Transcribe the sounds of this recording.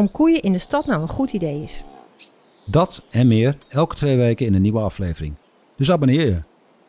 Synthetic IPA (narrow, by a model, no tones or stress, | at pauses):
ɔmkujəʔɪndəstɑtnawənχutidejɪs | dɑtɛnmɪːrɛlˠkə̥tʋejʋejkəɪndəniʋəɑflejvərɪ̰ŋ | d̥ɵs̬abənɪːjə